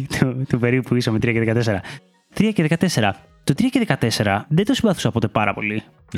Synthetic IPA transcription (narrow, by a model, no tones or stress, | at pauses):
t̪ʰut̪upe̞ɾipuisɐmet̪ɾiɐceðekɐt̪eseɾɐ | t̪ɾiɐceðekɐt̪ese̞ɾɐ | t̪ot̪ɾiɐceðekɐt̪e̞se̞ɾɐðet̪o̞simbɐθu̥sɐpo̞t̪epɐɾɐ̰po̞̰li